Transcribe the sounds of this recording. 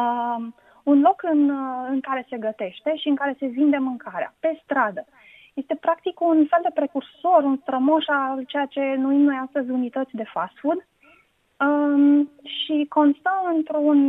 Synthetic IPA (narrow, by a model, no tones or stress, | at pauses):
unlo̞kɨnɨŋkaɾe̞se̞ɡət̪e̞ʃt̪e̞ʃiɨŋkaɾe̞se̞vind̪e̞mɨŋkaɾea̰pe̞st̪ɾad̪ə | je̞st̪e̞pɾakt̪ikunfe̞ld̪e̞pɾe̞kurso̞ɾunst̪ɾəmoʃalt͡ʃe̞jat͡ʃe̞nuimno̞jast̪əzʲunit̪ət̪sʲd̪e̞fasfud̪ | ə | ʃiko̞nst̪əɨnt̪ɾun